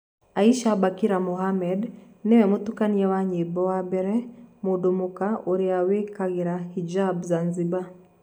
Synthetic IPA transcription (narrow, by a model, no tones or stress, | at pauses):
aiʃabakiɾamohamɛd | newɛmotukaniɛwaɲibɔwabɛɾɛmudomukaoɾiawekaɣeɾahid͡ʒabzanziba